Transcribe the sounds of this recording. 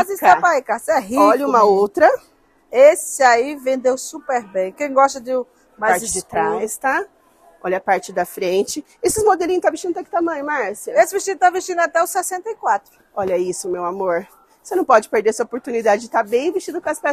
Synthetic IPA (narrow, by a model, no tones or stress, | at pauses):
maziskapaikaseɛɦiʎũmɐowt̪ɾɐ | esɪaivẽnd̪ewsupeɾbẽj̃kẽj̃ɡɔʃt̪ɐd͡ʒɪ | majaɾt̪aast̪a | ɔʎɐpaɾt͡ʃɪd̪ɐfɾẽnt͡ʃɪ | esɪzmod̪eliɲ̃ʊst̪aviʃt͡ʃĩd̪ʊt̪ɛkɪ̥t̪amɐ̃j̃ʊmaɾsɐesɪviʃt͡ʃĩnd̪ʊt̪aviʃt͡ʃĩnd̪ʊat̪ɛʊsɛsẽnt̪ɐikwat̪ɾʊ | ɔʎɐisʊmewamoɾ | vosenɐ̃w̃pɔd͡ʒɪpeɾd̪eɾɛsɐopoɾt̪unid̪ad͡ʒɪd͡ʒɪt̪abẽj̃viʃt͡ʃĩd̪ʊkõɐspɛ